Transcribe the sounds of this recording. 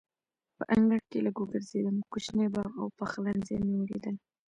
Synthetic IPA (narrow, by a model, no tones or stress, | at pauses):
pə̰ʔaŋɡaɽ̚kelaɡoɡəɾzed̪əmkuʃnebɑɣa̰wpaxlanzḛniwlḛd̪ən